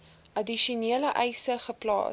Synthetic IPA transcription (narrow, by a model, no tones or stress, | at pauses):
ʔɐdiʃuniələʔɛjsəχəplɑ̰ː